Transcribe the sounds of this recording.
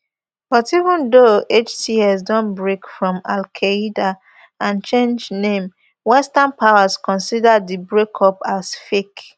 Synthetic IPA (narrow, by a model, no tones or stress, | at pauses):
b̥ɔtivə̃ndoet͡ʃtiɛsdɔ̃nbɹekfɹɔ̃malkʰaida | ãnt͡ʃẽnd͡ʒnẽm | wɛstanpʰaʊaskɔ̃nsidədibɹekʰɔpasfek